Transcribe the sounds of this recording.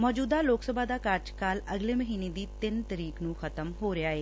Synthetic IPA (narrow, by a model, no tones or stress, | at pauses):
mɔːd͡ʒuːd̪aːloːksəbʱaːd̪aːkaɾd͡ʒkaːləɡleːməɦiːneːd̪iːt̪ɪnt̪əɾiːknũːxʰət̪əmɦoːɾɪaːeː